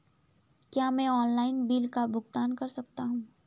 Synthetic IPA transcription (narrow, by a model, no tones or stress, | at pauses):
kjaːmɛ̃ɔːnlaːɪnbiːlkabʊɡt̪aːnkɐɾsɐkt̪aɦũː